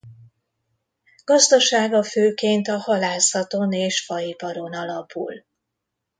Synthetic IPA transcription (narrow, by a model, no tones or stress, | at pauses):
ɡ̥ɒzd̪ɒʃaːɡɒføːkeːnt̪ɒhɒlaːsɒt̪o̞neːʃfɒipɒɾo̞nɒlɒpṵl